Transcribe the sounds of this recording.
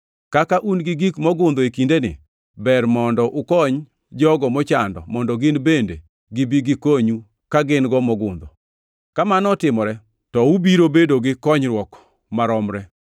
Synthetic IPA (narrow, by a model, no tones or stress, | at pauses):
kakaʔunɡɪɡikmɔɡʊnd̪ɔekindenɪ̰ | bɛrmɔndɔʔʊkɔɲ | d͡ʒɔɡɔmɔt͡ʃandɔ̰mɔndɔɡɪnbende | ɡɪbiɡɪkoɲu | kaɡɪnɡɔmɔɡʊnd̪ɔ | kamanɔtɪmɔɾɛ | tɔubiɾobedoɡɪkɔɲɾwɔk | maɾɔmɾɛ